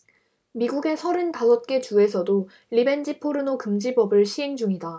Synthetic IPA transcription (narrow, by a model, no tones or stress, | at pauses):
miɡuɡe̞sʰʌɾɯntasʰʌt̚k͈e̞t͡ɕue̞sʰʌdo | ɾibe̞nd͡ʑipʰoɾɯnokɯmd͡ʑibʌbɯɭɕʰiɦe̞ŋd͡ʑuŋida